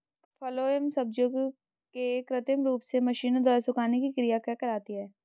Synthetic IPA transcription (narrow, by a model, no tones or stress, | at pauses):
fʰɔːloːemsəb̚d͡ʒoɡ | kekɾɪt̪ɪmɾuːpsemɐʃiːnõd̪ɔːɾsʊkaːnekikɾijakɛkɐɾaːt̪iɦɛː